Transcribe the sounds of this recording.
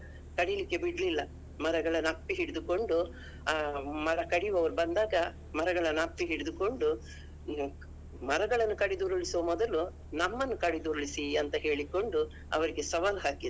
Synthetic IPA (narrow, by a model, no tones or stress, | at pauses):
kɐɽijlikːe̞biɽɐlilːɐ | mɐɾɐɡɐɭɐnːɐpːiɦiɽid̪uko̞ɳɖu | mɐɾɐkɐɽiʋɐʋɐɾubɐnd̪aːɡɐ | mɐɾɐɡɐɭɐnːɐpːiɦiɽid̪uko̞ɳɖu | mɐɾɐɡɐɭɐnːukɐɽid̪uːɾuɭisɐʋɐmɔd̪ɐlu | nɐmːɐnːukɐɽid̪uːɾɐɭisiɐnt̪ɐɦe̞ːɭiko̞ɳɖu | ɐ̰ʋɐɾiɡe̞sɐʋaːlɦaːkid̪